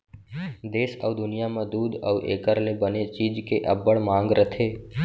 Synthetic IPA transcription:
d̪eːsəʊd̪ʊnijamẽd̪uːd̪ə̰ːʔḛːkəɾlebənet͡ʃiːd͡ʒkeʔəbːəɽmãːŋɡɾət̪ʰeː

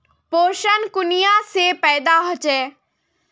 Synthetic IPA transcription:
poːɾʃənkʊnɪjãːsepɛːd̪aːɦot͡ʃɛː

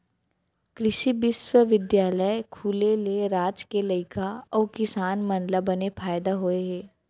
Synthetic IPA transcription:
kɾɪʃibɪswəʋɪd̪jaːləjkʰuːleleɾaːd͡ʒkelɐɪkʰaɔːkɪsaːnmɐ̃nlabɐnepʰaːjd̪aɦoeɦɛ̃ː

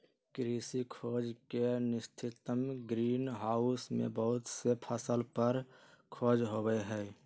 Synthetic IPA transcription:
kɾiːsikʰoːd͡ʒkenɪst̪ʰɪt̪əmɡɾiːnɦaːʊsmḛ̃bəɦʊt̪sepʰəsəlpəɾkʰoːd͡ʒɦoɡeɦɛː

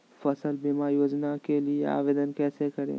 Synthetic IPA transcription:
fəsəlbimaːjoːd͡ʒnakeliea̰ːʋeːd̪ənkɛːsekɐɾḛː

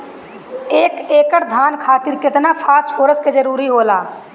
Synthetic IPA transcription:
eːkeːkəɽd̪ʱaːnkʰaːt̪ɪɾkɪt̪napʰaːsfʰoːɾəsked͡ʒəɾuːɾiɦoːlaː

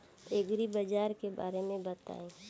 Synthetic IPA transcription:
eːɡɾibɐd͡ʒaːɾkeba̰ːɾemẽbɐt̪a̰ːẽː

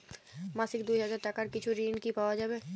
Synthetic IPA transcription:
maːsɪkd̪uɦəzaːɾʈakaɾkɪt͡ʃʰuɾiːnkipawad͡ʒaːbe

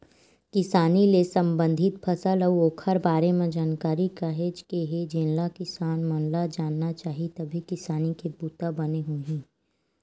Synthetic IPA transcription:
kɪsaːnilesɐ̃mbə̃nd̪ʱɪt̪̚pʰɐsələoːkʰəɾbaːɾemẽd͡ʒaːnkaːɾikaɦeːd͡ʒkeɦed͡ʒẽnlakɪsaːnmɐnlad͡ʒaːnːat͡ʃaːɦit̪ɐbʱikɪsaːnikebuːt̪abɐneɦuɦĩː

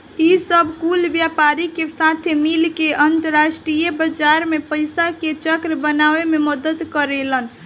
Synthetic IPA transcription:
isəbʱkulbjapaɾikesat̪ʰemilkeʔənt̪əɾasʈɾijəbəd͡ʒaɾmepəɪsaket͡ʃəkɾəbənaʋememəd̪əd̪kəɾelən

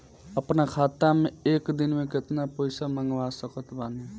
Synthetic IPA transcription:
əpnakʰaːt̪amẽeːkd̪ɪnmẽkɪt̪napəjsaməŋɡʋasəkət̪baːne

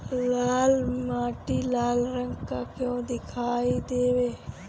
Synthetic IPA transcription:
laːlmaːʈilaːlɾə̃ŋɡkakjõːd̪ɪkʰaːid̪eːʋeː

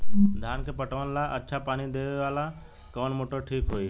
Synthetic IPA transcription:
d̪ʱaːnkʰepəʈʋənlaʔə̰tːʃʰapaːnid̪eːʋeʋaːla | koːnmoːʈoʈʰiːkɦoːi

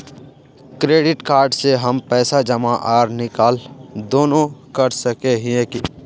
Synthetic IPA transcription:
kɾeːɖɪʈkaːɾɖseɦəmpɛːsad͡ʒəmaʔaːɾnɪkaːld̪oːnõkəɾsəkeɦĩẽki

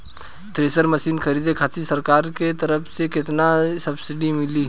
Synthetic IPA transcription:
t̪ɾeːsəɾmɐsiːnkʰɐɾiːd̪ekʰaːsisəɾkaːɾket̪ɐɾəpʰsekɪt̪nasɐbsɪɖimɪliː

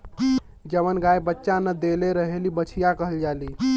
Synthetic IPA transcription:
d͡ʒəʋənɡajbətːʃanəd̪eleɾəɦelibət͡ʃʰijakəɦəld͡ʒali

